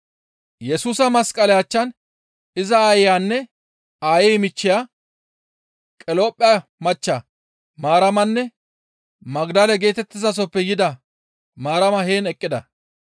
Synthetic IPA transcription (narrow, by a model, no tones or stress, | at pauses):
jɛsuːsɐmɐskʼːɐlɛjat͡ʃːɐn | ɪzɐːjjaːnːɛ | aːjɛjmɪt͡ʃːɪja | kʼɛloːpʼːɪjɐmɐt͡ʃːɐ | maːɾɐmɐnːɛ | mɐɡd̪ɐlɛɡe̞ːt̪ɛt̪ːɪzɐs̬ɔpːɛjɪd̪ɐ | maːɾɐmɐhe̞ːnɛkʼːɪd̪ɐ